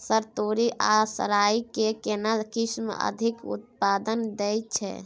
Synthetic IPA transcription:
səɾt̪oɾiʔasə̰ɾaikekenalkismə̰d̪ʱikṵt̪̚pad̪ənd̪ɛj̚t͡ʃʰɛ̰

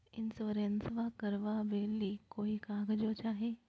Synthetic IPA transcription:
ɪnsoɾensʋakəɾʋabeːlikoːikãːɡd͡ʒoːt͡ʃaːɦeː

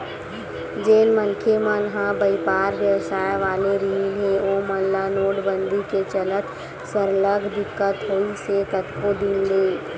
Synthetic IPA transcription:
d͡ʒeːnmənkʰemənɦãbəɪpaːɾʋjəʋsaːjeʋaːleɾiinɦeoːməllanoːʈbə̃nd̪ʱiket͡ʃələt̪ | səɾləɡʱd̪ɪkːət̪ɦoːisek̪ət̪kʰod̪ɪnleː

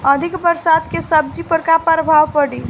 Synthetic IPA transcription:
əd̪ʱikbəɾsad̪kesəb̚d͡ʒipəɾkapəɾbʱaʋpəɽil

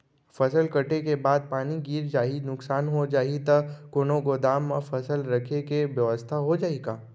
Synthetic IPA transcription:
fɐsəlkɐʈekebaːd̪̚paːniɡiːɾd͡ʒaːinʊksaːnɦod͡ʒaːɦit̪ɐkoːnõkod̪aːmːãfɐsəlɾɐkʰekeʋjɐʋəst̪ʰaɦod͡ʒaːeɡaː

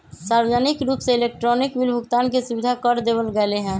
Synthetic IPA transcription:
saɾwəd͡ʒənikɾupseelek̚ʈɾɔnikʋilbʱukt̪ankesubid̪ʱakəɾd̪ebəlɡɛleɦɛ̃

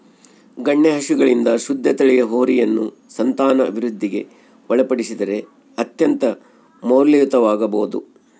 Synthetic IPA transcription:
ɡɐɳːeɦɐʃuɡɐɭind̪ɐʃud̪ʱːɐt̪ɐɭɛjɐɦoːɾijɐnːṵ | sɐnt̪aːnɐʔɐ̰bʱiɾud̪ʱːiɡe̞̰ | ʋɔɭɐpɐɽisid̪ɐɾe̞ | ɐt̪jɐnt̪ɐ | moːɾlijut̪ɐʋaːɡɐbo̰ːd̪ṵ

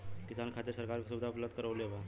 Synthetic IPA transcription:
kɪsaːnkʰaːt̪əɾsɐɾkaːɾkesʊbɪd̪ʱaplət̪kəɾoːleʋaː

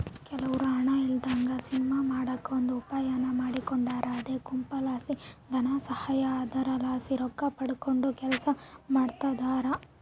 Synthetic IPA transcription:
kɛlɐʋuɾuaːɳɐild̪aːŋɡɐsinimaːmaːɽɐkːɐond̪uːpaːjanɐmaːɽikoɳɖaːɾɐːd̪eːkumpɐlaːsid̪ʱɐnasɐhaːjaːd̪ɐɾɐlaːsiɾɔkːɐpɐɽuko̞ɳɖukɛlɐsɐmaːɽt̪ɐd̪aːɾɐ

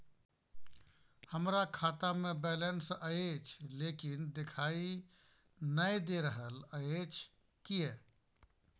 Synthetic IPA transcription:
həmɾakʰaːt̪amẽbɛlensəet͡ʃʰlekind̪ekʰaːi | nəjd̪eɾəɦələet͡ʃʰ | kiɦɛː

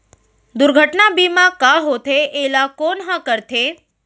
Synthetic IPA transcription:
d̪uɾɡʱəʈnabimãkaɦot̪ʰeʔelakonɦə̃kəɾt̪ʰe

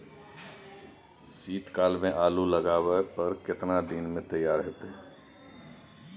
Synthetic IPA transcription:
siːt̪kaːlmẽʔaːluləɡaːwepəɾkɪt̪nad̪inmẽt̪əjaːɾɦɛt̪ɦɛ

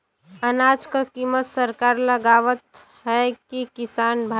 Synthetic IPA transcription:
ənaːd͡ʒkəkimət̪səɾkaːɾləɡaːʋət̪ | ɦɛkikɪsaːnbʱa

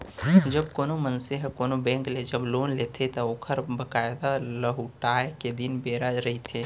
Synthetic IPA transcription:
d͡ʒəb̚koːnomənseɦkoːnobɛ̃ːŋkled͡ʒəbloːnlet̪ʰet̪ɔoːkʰəɾbəkaːɪd̪aləɦuʈaːjeked̪ɪnbeːɾaɾəɦit̪ʰeː

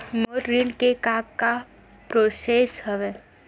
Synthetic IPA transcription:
moːʈɾiɳkekaɡka | pɾoːseːsɦəʋeː

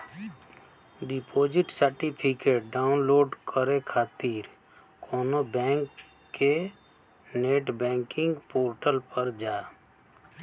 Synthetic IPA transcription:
ɖɪpʰoːd͡ʒɪʈsəɾʈipʰɪkeːʈ̚ɖaːʊnloːɖkʰəɾekʰaːt̪iːɾ | kʰoːnobɛ̃ːŋkː | e | neːʈbɛ̃ːŋkɪ̃ŋɡpoːɾʈəlpəɾd͡ʒaː

